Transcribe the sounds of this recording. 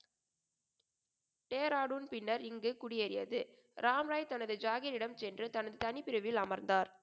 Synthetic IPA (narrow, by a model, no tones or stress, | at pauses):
ʈeːɾaːɽuːnpɪnːɐɾɪŋɡɯkʊɽɪɐɾɪjɐ̰ðɯ | ɾʔaːmɾaːjt̪ɐnɐðɯd͡ʒaːɣɪɾɪɽɐmt͡ʃɛndrɯt̪ɐnɐðɯt̪ɐnɪpɪɾɐʋɪlɐmɐɾnd̪aːɾ